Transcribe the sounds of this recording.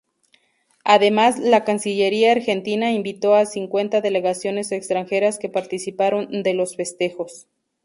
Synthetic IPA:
aðe̞mazlakansiʎe̞ɾiaːɾxe̞nt̪inaimbit̪o̞asiŋkwe̞nt̪aðe̞le̞ɣasjo̞ne̞se̞kst̪ɾaŋxe̞ɾaske̞paɾt̪isipaɾo̞nd̪e̞lo̞sfe̞st̪e̞xo̞s

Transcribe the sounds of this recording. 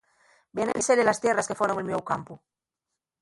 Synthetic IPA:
benḛliseɾelast̪jeraskefoɾoŋelmewkampu

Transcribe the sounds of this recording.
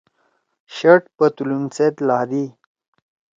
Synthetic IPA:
ɕəʈpət̪ulumset̪laːd̪i

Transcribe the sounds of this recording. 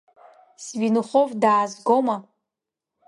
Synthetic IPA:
svinɨχovdaːzɡo̞ma

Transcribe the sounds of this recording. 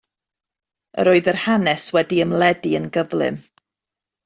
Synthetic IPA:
ə̰ɾoːɨðərhanɛswɛdiəmlɛdiənɡəvlˠɪ̰m

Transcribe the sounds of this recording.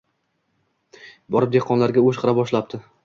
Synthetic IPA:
bɒɾɪp̚d̪eqʰɒnlaɾɡʲaoʃqʰɨɾabɒʃlap̚t̪ʰɪ

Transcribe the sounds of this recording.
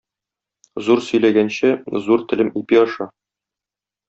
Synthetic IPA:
zuɾsɵ̆jlæɡænɕæzuɾt̪ɘ̆lɘmipiɒʃɑ

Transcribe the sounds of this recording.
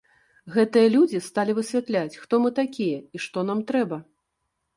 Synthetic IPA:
ɣɛt̪ɨjɐlʲud͡zʲist̪alʲivɨsʲvʲat̪lʲat͡sʲxt̪ɔmɨt̪akʲijɐiʂt̪ɔn̪amt̪ɾɛbɐ

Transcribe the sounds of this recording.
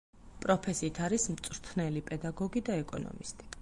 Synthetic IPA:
pʼɾɔpʰɛsiːt̪ʰaɾismt̪sʼɾt̪ʰnɛlipʼɛd̪aɡɔɡid̪aɛkʼɔ̰nɔ̰mist̪ʼi̥

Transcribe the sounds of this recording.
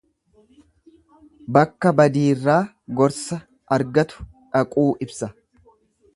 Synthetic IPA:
bɐkːɐbɐd̪iːrːaː | ɡɔɾsɐ | ʔɐɾɡɐt̪ʊ̥ | ᶑɐkʼuːʔɪbsɐ

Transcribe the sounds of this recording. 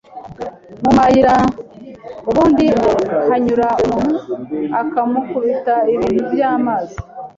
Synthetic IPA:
mumajiɾa | uβuːndihaɲuɾaumunuakamukuβitaiβiɾiβjaːmaːzi̥

